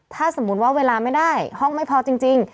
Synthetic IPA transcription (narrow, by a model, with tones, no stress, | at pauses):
t̪ʰaː˥˩so˩˦mːu˦˥t̪waː˥˩weː˧laː˧ma˥˩jdaː˥˩jhɔ˥˩ŋma˥˩jpʰɔː˧t͡ɕi˧ŋt͡ɕi˧ŋ